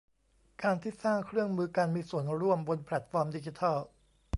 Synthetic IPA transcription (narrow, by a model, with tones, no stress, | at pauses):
kaː˧nt̪ʰiː˥˩saː˥˩ŋkʰɾɯ˥˩əŋmɯː˧ka˧nmiː˧su˨˩ənɾu˥˩əmbo˧npʰlɛ˨˩t̪̚fɔː˧mdiː˧t͡ɕi˧t̪ʰa˥˩l